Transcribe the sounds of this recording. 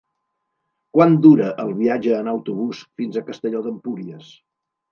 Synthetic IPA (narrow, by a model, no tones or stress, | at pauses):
kwand̪uɾəʔəlˠβiad͡ʒəːnəwt̪uβ̞usfinzəkəst̪əʎoðəmpuɾiəs